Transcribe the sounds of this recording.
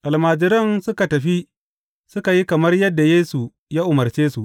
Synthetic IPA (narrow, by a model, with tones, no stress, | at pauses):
ʔa˨lmaː˨d͡ʒɪ˦ɾɐ˦nsʊ˦ka˨tɐ˨ɸi˦ | sʊ˦ka˨ji˦kɐ˨mɐ˦rjɐ˦dːa˨jeː˦su˨ | jaː˦ʔʊ˨mɐ˨rt͡ʃeː˦su˨ʔ